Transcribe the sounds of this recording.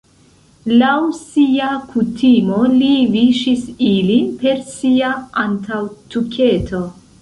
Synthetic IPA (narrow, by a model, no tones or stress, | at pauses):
lawsiakʰutʰimo̞liviʃisilinpe̞ɾsiaantʰawtukʰe̞tʰo̞